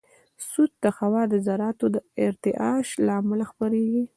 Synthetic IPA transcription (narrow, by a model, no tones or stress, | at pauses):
sud̪̚t̪əxawɑd̪əzaɾɑt̪od̪əɪɾt̪ɪʔɑʃlɑmʊlaxpəɾeɡi